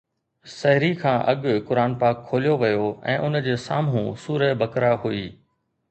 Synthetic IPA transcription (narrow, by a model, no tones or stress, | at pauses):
sɐɦɪɾikʰãːʔɐɠkʊɾaːnpaːkʰːoːlijoʋɐjoɛ̰̃ːʔʊnd͡ʑeːsaːmɦũsuːɾəbɐkɾaɦuiː